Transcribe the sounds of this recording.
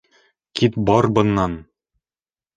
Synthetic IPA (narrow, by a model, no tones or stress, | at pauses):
kit̪bɒɾbɤ̆nːɑn